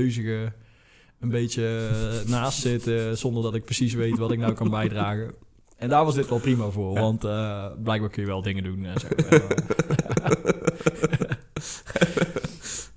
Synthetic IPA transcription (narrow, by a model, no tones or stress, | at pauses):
ɥzəɣə | ənbejtjənaːstsɪtzɔndərdɑtɪk̚prəsis̬ʋejtʋɑtɪk̚nawkɑnbɛjdraːɣə | ɛndaːɹʋɑzdɪtʋɛlˠprimavʊːɹʋɑntblɛjɡ̚baːɹkənjəʋɛlˠdɪŋədunsɛ